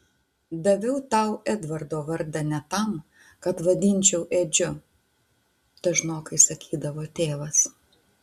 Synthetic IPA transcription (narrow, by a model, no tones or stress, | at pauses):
d̪ɐʋʲɛʊt̪ɐˑʊɛd̪ʋɐɾd̪oːʋɐɾd̪ɐnʲɛt̪ɐm | kɐpʋɐd̪ʲɪnʲt͡ʃʲɛʊʔeːd͡ʒʲʊ | t̪ɐʒnoːkɐɪsɐkʲiːd̪ɐʋoːt̪ʲeːʋɐs